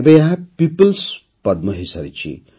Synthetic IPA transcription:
bejapipəls | pʌd̪̚mʌɦisɐɾit͡sʰḭ

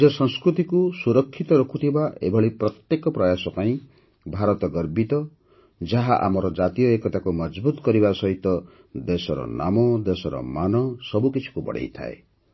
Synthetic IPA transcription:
ɔsɔŋskɾut̪ikusuɾɔkʰːit̪ɔɾɔkʰut̪ʰibaʔḛbʱɔɭipɾɔt̪jekɔpɾɔjasɔpaĩ | bʱaɾɔt̪ɔɡɔɾbit̪ɔ | d͡ʒaɦaʔa̰mɔɾɔd͡ʒat̪ijɔekɔt̪akumɔd͡ʒbut̪ɔkɔɾibasɔɦit̪ɔ | d̪esɔɾɔ̰na̰mɔd̪esɔɾɔ̰manɔsɔbukit͡ʃʰi̥kubɔ̰ɽ̤ḛjt̪ʰa̰ḛ

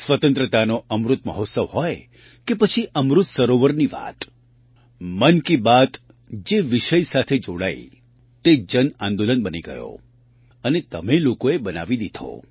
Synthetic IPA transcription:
sʋət̪ə̃nt̪ɾət̪anoʔəmɾut̪̚mə̰ɦot̪səʋɦɔj | kepət͡ʃʰiʔəmɾut̪səɾoʋəɾniʋa̰t̪ | mənkibat̪ | d͡ʒeʋiʃəjsat̪ʰed͡ʒoɽa̰i | t̪ed͡ʒənãnd̪olənbəniɡə̰jo̰ | ənet̪əmelokoebəna̰ʋid̪id̪ʱo̰

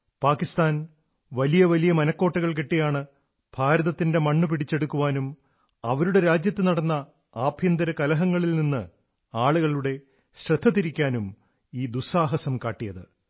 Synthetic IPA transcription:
paːkːist̪aːn | ʋɐlijɐʋɐlijɐmɐnɐkːo̞ːʈːɐɣɐɭk̬eʈːejaːɳɨ | b̥ʱaːɾɐðɐt̪ːinde̞mɐɳːup̬iɽit͡ɕːe̞ɽukːuʋaːnum | ɐʋɐɾuɽe̞ɾaːd͡ʑjɐt̪ːɨnɐɽɐnːɐ | aːbʱjɐnd̪ɐɾɐkɐlɐɦɐŋːɐɭilninːɨ | aːɭuɣɐɭuɽe̞ | ɕrɐd̪ʱːɐt̪ːiɾikʲːaːnum | iːd̪usaːɦɐsɐmkaːʈːijɐðɨ̰

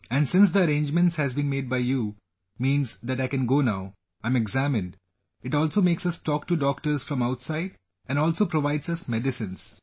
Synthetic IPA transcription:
ɛ̃ɳɖsɪ̃ns̬d̪əɐɾẽːnd͡ʒmə̃nʈshæzbĩnmeːɖ̚baɪju | mĩːnzd̪æʈaɪkɛ̃nɡoːnaʊ | ãɪ̃meɡzæmɪ̃nɖ | ɪʈɔːlsoːmeːksɐsʈɔːkʈuɖɔːkʈəɾzfɾɔ̃maʊʈsaɪɖ | ɛ̃nɖɔːlsoːpɾoʋaɪɖsʌsmɛɖɪsɪ̃ns

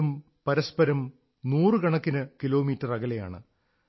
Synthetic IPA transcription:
um | pɐɾɐspɐɾɐm | nuːrɨkɐɳɐkːinɨkilo̞ːmiːtːɐrɐɣɐleja̰ːɳɨ̰

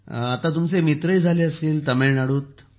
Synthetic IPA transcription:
at̪at̪̬umt͡semit̪ɾəid͡zʱaleəseːlt̪əmenaɽuːt̪

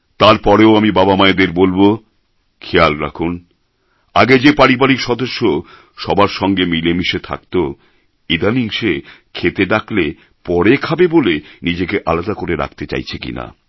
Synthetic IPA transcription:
t̪aɾpɔɾeoamibabamaed̪eɾbolbo | kʰealɾa̰kʰun | a̰ɡed͡ʑepaɾibaɾikʃɔd̪oʃːo | ʃɔbaɾʃɔŋɡemilemiʃet̪ʰa̰k̚t̪o | id̪ʱaniŋʃekʰet̪eɖakle | pɔɾekʰabebolenid͡ʑekeʔalad̪akoɾeɾa̰kʰt̪et͡ɕa̰jt͡ɕʰekḭna̰

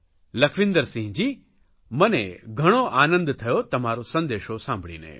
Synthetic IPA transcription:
ləkʰʋɪ̃nd̪əɾsĩɦd͡ʒiː | məneɡʱəɽ̃oʔanə̃nd̪t̪ʰəjot̪əmaɾosə̃nd̪eʃosãmbʱɭḭnḛ

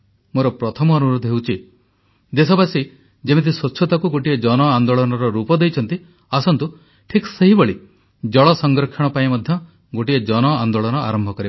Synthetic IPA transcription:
moɾɔpɾɔt̪ʰɔmɔːnuɾod̪ʱɔɦewt͡ʃʰi | d̪esɔbasi | d͡ʒemet̪̬iswɔtːt͡ʃʰːɔt̪akuɡoʈied͡ʒɔnɔand̪ɔɭɔnɔɾɔɾupɔd̪ejt͡ʃʰɔnt̪i | asɔnt̪u | ʈʰikseɦiboɭi | d͡ʒɔɭɔsɔŋɡɾɔkʰjɔɽ̃ɔpaĩmɔd̪ʱjɔ | ɡoʈied͡ʒɔnɔand̪ɔɭɔñɔʔa̰ɾɔmbʱɔkɔɾib

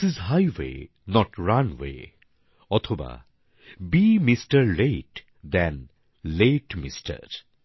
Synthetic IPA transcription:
izɦajwḛ | nɔʈɹanwḛ | ɔt̪ʰɔba̰ | bimisʈəɾleʈ | d̪ɛ̃n | leʈmisʈə̰ɾ

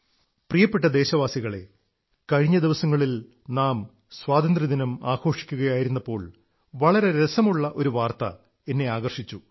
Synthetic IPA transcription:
prijɐpːeʈːɐd̪e̞ːɕɐʋaːsiɣɐɭe̞̰ | kɐɻiɲːɐd̪iʋɐsɐŋːɐɭil | naːm | swaːd̪ɐnd̪rɐd̪inɐmaːkʰo̞ːʂi̥kʲːuɣɐjaːjiɾunːɐpːo̞ːɭ | ʋɐɭɐɾe̞ɾesɐmuɭːɐʔo̞ɾuʋaːrt̪ɐ̰ | e̞nːe̞aːɣɐrʂit͡ɕːu

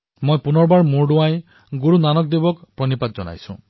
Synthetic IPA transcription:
mojpunɔɹbaɹmuɹɖuaj | ɡuɾunanɔk̚d̪ebɔkpɾɔnipat̪̚d͡ʒɔna̰jsṵ̃

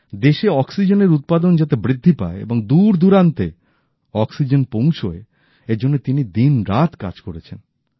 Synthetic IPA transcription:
d̪eʃeɔksid͡ʑeneɾut̪̚pad̪ond͡ʑat̪ebɾid̪ʱːipa̰eḛboŋd̪uɾd̪uɾant̪e | ɔksid͡ʑenpõw̃t͡ɕʰoe | ed͡ʑonːet̪inid̪inɾat̪ka̰d͡ʑkoɾet͡ɕʰen

